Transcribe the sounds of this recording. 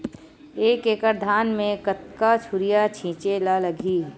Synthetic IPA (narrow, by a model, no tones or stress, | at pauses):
eːkeːkəɾd̪ʱaːnmẽkət̪̚kat͡ʃʰʊɾijat͡ʃʰĩːt͡ʃelaləɡʱiː